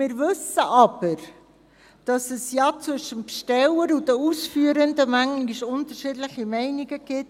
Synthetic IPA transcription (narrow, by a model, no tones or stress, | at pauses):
mɪːɾvɵsəʔɑb̥əɾ | d̥ɑsɛsjɑt͡svʏʃəmpʃtɛləɾudəuːsfyəɾəndəmæŋiʃʊntəɾʃɪdləχimɛɪniɡəɡ̥ɪt̚